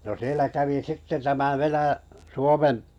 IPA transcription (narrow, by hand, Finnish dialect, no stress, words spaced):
no sielæ kæʋi sitːe tæmæ ʋenæ suomem